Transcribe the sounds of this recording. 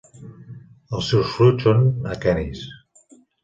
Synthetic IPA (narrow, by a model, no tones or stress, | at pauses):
əlˠsɛwsfɾut͡ʃonakɛnis